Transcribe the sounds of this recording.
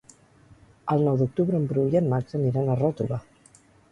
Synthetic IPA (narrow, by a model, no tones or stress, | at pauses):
alnawðok̚t̪uβɾempɾuʎenmakseniɾenarat̪uða